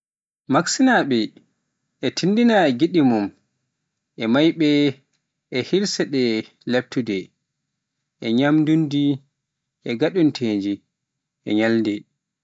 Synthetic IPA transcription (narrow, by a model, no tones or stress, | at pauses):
maksinaɓɛː | tʰindinaɡiɗimum | ʔɛmajɓɛ | ʔɛhiɾsɛɗɛ | leb̚tudɛ | ʔɛɲamdundi | ʔɛɡaɗuntʰeːɲd͡ʒi | ʔɛ̰ɲaldɛ